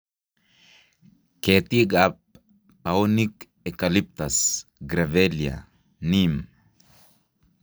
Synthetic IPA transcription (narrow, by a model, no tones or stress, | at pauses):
ket̪iɡap̚ː | aonik | ekalip̚t̪asɡɾavelja̰ | nim